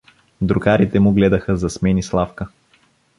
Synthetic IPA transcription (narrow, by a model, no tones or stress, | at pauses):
d̪ɾukaɾit̪ɛmʊɡlɛd̪əxəzɐsmɛnislˠafkə